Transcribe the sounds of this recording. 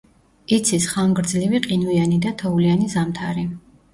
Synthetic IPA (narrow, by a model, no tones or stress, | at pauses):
it̪sʰisχaŋɡɾd̪zliviqʼinuianid̪at̪ʰɔulianizamt̪ʰaɾi